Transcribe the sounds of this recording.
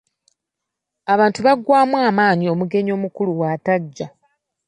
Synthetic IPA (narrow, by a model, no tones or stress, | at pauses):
aβaːntuβaɡwaːmwaːmaːɲio̞muɡe̞ɲo̞ːmukuluwaːtaɟːa